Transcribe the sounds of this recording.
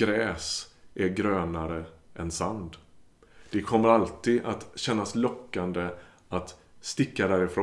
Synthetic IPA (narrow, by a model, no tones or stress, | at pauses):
ɾɛːsʔæɾɡɾøːnaɾəʔɛnsand̪ | d̪̥ɛkʰɔmːəɾalt̪iːd̪at̪ɕɛnːaslɔkːand̪ə | at̪st̪ɪkːad̪æːɾɪfɾoː